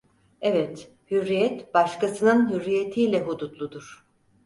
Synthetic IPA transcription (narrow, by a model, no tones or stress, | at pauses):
ɛvɛt̪ | hyɾːijɛt̪baʃkasɯnɯnɦyɾːijet̪ʰiːlʲɛɦud̪ut̪lˠud̪uɾ̥